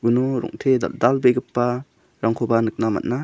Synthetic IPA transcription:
unɔɾɔ̰ŋtʰḛdalbeɡɯpːa | ɾaŋkʰobanɯk̚nama̰t̚na

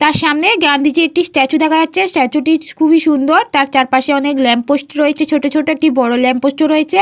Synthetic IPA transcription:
t̪aɾʃamneɡɾand̪ʱid͡ʑeek̚ʈisʈɛt͡ɕud̪ʱakʰad͡ʑatːɕʰesʈɛt͡ɕuʈikʰubʱiʃund̪oɾt̪aɾt͡ɕaɾpaʃeɔneklɛmpposʈɾoet͡ɕʰet͡ɕʰoʈot͡ɕʰoʈoek̚ʈibɔɽolɛmposʈoɾoet͡ɕʰe

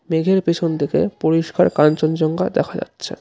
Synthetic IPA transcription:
meɡʱeɾpet͡ɕʰont̪ʰekḛpoɾiʃkaɾkant͡ɕond͡ʑɔŋɡad̪ɛkʰad͡ʑa̰tːɕʰḛ

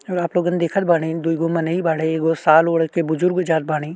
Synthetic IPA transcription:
ɔɾaːploːɡaːned̪eːkʰət̪̚baːɽ̃id̪uiɡõmɐneibaːɽeːkosaːloːɽkebʊzʊɾɡod͡ʒaːt̪̚baːɽ̃iː

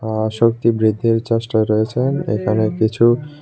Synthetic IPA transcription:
ʃok̚t̪ibɾid̪ʱːiɾt͡ɕaʃʈaeɾɔet͡ɕʰenḛkʰanekit͡ɕʰu

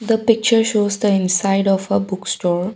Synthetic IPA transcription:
d̪əpɪk̚t͡ʃəɾʃoːzd̪əɪ̃nsaɪɖɔfəbʊksʈɔːɾ

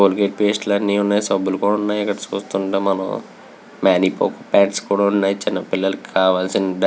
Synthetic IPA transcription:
oːlɡeːʈ̚peːsʈlɐnːiunːaːjisɐbːulukuːɽaunːaːjiikːɐɽɐt͡ʃuːst̪uɳʈemɐnɐ̰m | maːnipo̰ːkpaːʈskuːɽaunːaːjit͡ʃinːɐpilːɐlukikaːʋaːlsindɐ

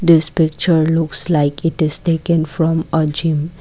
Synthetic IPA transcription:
d̪ɪspɪk̚t͡ʃəɾlʊkslaɪkʰɪʈɪz̥ʈeːkə̃nfɾɔ̃məd͡ʒɪ̃m

